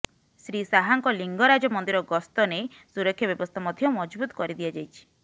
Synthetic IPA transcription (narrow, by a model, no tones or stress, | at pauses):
sɾisaɦaŋkɔliŋɡɔɾad͡ʒɔmɔnd̪iɾɔɡɔst̪ɔne | suɾɔkʰːjɔbjɔbɔst̪ʰamɔd̪ʱjɔmɔd͡ʒbut̪ɔ̥kɔɾid̪iad͡ʒajt͡ʃʰi̥